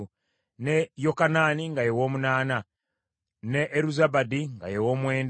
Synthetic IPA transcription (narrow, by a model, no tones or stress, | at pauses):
nejokanaːniŋɡajewo̞ːmunaːna | neʔːɾuzabadiŋɡa̰jewo̞ːmwe̞ːnd